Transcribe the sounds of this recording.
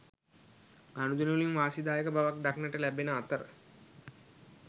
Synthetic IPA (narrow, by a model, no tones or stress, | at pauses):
ɡanud̪unulinʋaːsid̪aːjəkəbaʋak̚ɖaknəʈəlæbenəat̪əɾə̰